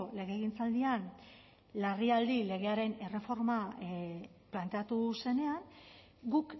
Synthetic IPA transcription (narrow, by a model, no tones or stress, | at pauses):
ole̞ɣe̞ːɣ̞int͡sald̪ian | lariald̪ile̞ɣ̞e̞aɾe̞ne̞re̞fo̞ɾma | plant̪e̞at̪use̞ne̞an | ɡuk